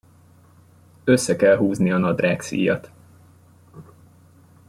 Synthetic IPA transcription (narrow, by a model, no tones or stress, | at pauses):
øsːɛkɛlɦuːzniɒnɒd̪raːksḭːjɒ̰t̪